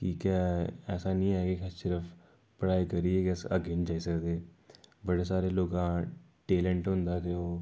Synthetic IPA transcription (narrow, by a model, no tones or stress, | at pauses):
kikaɛːsanĩaːeɡekʰəsɪɾəf | pɽaːjkɐɾieɡɛsɐ̰ɡeːnd͡ʒaːisəkd̪eːbəɽesaːɾeloːɡã | ʈeːlə̃ɳʈɦʊ̃nd̪at̪eoː